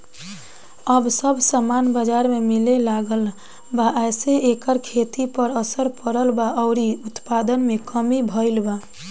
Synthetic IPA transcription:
əbsəbʱsamanbəd͡ʒaɾmemilelaɡəl | baʔɛjseekəɾkʰet̪ipəɾəsəɾpəɾəlbaɔʊɾiut̪pad̪ənmekəmibʱəɪlba

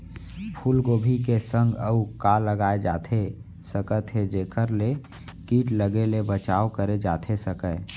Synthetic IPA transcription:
pʰuːlɡoːbʱikesə̃ŋɡəukaləɡaːed͡ʒaːt̪ʰe | səkət̪ʰed͡ʒeːkəɾle | kiːʈləɡelebət͡ʃaːokəɾed͡ʒa̰ːt̪ʰesəkə

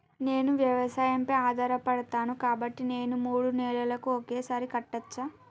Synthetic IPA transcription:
ne̞ːnuʋjɐʋɐsaːjɐmpɐjaːd̪ʱaːɾɐpɐɽɐt̪aːnukaːbɐʈːine̞ːnumuːɽunɛːɭɐlɐkuokeːsaːɾikɐʈːɐt͡ʃːa

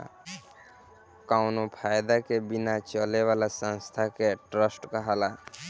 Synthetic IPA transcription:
kaʊnopʰajd̪akebinat͡ʃəleβalasə̃nst̪ʰakeʈɾəsʈkəɦala

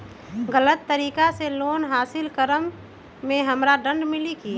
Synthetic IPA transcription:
ɡələt̪ːəɾiːkaseloːnɦaːsɪlkəɾəmː | ẽɦəmɾaɖəɳɖmɪliki

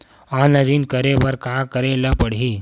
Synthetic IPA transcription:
anəɾiːnkəɾeʋəɾkakəɾeləpəɽɦi

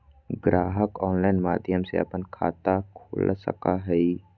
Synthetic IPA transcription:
ɡɾaːɦəkɔːnlaːɪnmaːd̪ʱjəmsḛɐ̰pənkʰa̰ːt̪akʰo̰ːlsə̰kaɦɛi

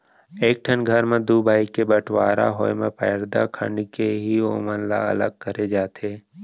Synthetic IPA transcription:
eːk̚ʈʰənɡʱəɾmẽd̪uːbʱaːikebəʈʰwaːɾa̰ɦoːemḛ̃pɛ̰ːɾd̪a̰kʰə̰̃ɳɖkeɦio̰ːmənla̰ɐ̰ləɡ̚kəɾed͡ʒaːt̪ʰeː

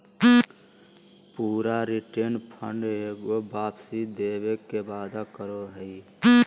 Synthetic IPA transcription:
puːɾaɾiʈenpʰə̰ɳɖeɡobaːpsid̪eːbekebaːd̪akəɾoɦəi

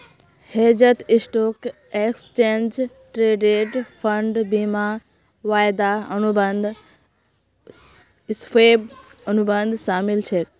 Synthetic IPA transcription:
heːd͡ʒət̪ɪsʈoːk | ekst͡ʃeːnd͡ʒ | ʈɾeːɖeʈpʰəɳɖbima | ʋaːjd̪aənubənd̪ | speːbənubənd̪ʱsaːmilt͡ʃʰe

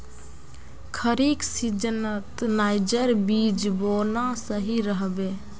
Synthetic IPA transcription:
kʰəɾiksid͡ʒənət̪naɪd͡ʒəɾbid͡ʒbolnasəɦiɾəɦbe

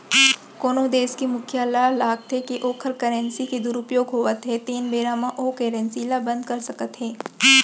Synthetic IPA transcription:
koːnod̪eːskimʊkʰjalalaːɡ̚t̪ɦekiʔoːkʰəɾkəɾɛ̃nsiked̪ʊɾʊpjoːɡɦoːət̪ɦɛt̪iːnbeːɾaːmãʔoːkeːɾɛ̃nsilabɐ̃nd̪kɐɾsɐkət̪ɦɛː

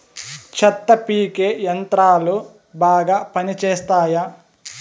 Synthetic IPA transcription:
t͡ʃʰɐt̪ːɐpiːkeːjɐnt̪ɾaːlu | baːɡaːpɐnit͡ʃeːst̪aːja

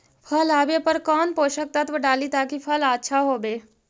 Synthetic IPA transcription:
pʰəlaːbepɐɾkɔːnpoːʃək̚t̪ɐt̪ʋəɖaːlit̪aːkipʰəlaːtːʃʰaɦoːbeː

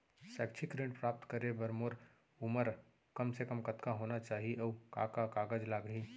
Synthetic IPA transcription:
sɛːkt͡ʃʰikɾẽːɳʈpɾaːp̚t̪kəɾebəɾmoːɾ | ʊməɾ | kɐmsekəmkɐt̪kaɦoːnat͡ʃaːɦieʔɔːka̰ːkakaːɡəd͡ʒlaːɡɦiː

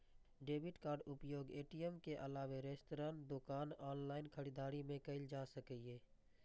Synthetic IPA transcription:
ɖeːbɪʈkaːɾɖʊpjoːɡeːʈijɛmkeʔɐlaːʋeɾeːsʈɾãːnd̪ʊkaːnaːnlaːɪnkʰəɽid̪aːɾimẽkəɪld͡ʒaːsəkeː

